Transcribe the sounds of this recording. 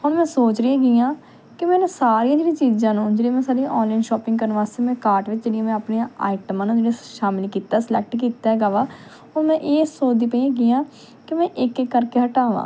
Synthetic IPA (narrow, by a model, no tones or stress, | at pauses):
hʊnmɛ̃ːsoːt͡ʃɾɪãɡɪjãː | kɪmɛ̃ːnsaːɾiːãːd͡ʒeːɽĩːt͡ʃiːzãːnũːd͡ʒeːɽĩːmɛ̃ːsaːɾiʔɔːnlaːɪnʃɔːpɪ̃ŋɡkəɾənʋaːst̪eːmɛ̃ːkaːɾʈʋɪt͡ʃd͡ʒeːɽiãmɛ̃ːapniãa̰ːɪʈəmãːnũːd͡ʒeːɽĩʃaːmɪlikiːt̪aːslɛːk̚ʈkiːt̪aːɡaːʋaː | ɔːɾmɛ̃ːʔeːsoːd̪iːpəiãːɡɪjãː | kɪmɛ̃ːʔɪkekːəɾkeːɦəʈaːʋa̰ː